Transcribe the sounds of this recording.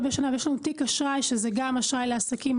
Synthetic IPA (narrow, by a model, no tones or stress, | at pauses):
beʃanavejeʃlanutikaʃʁajʃezeɡamaʃʁajleasakim